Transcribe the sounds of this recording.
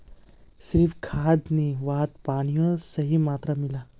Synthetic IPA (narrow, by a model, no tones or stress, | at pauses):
sɾifkʰad̪niʋat̪̚paɽ̃ijosəɦimat̪ɾamila